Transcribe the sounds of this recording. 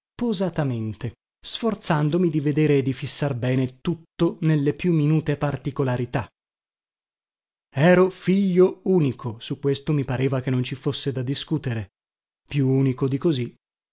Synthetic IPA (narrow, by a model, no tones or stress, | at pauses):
pozat̪ament̪e | sfort̪sand̪omid̪ived̪eːɾeːd̪ːifisːarbɛːnet̪ut̪ːonelːepjumːinuːt̪epart̪ikolaɾit̪a | ɛːɾofiʎːouːnikʰosukːwest̪omipaɾeːvak̟enːont͡ʃifosːed̪ad̪iskuːt̪eɾe | pːjuuːnikod̪ikozi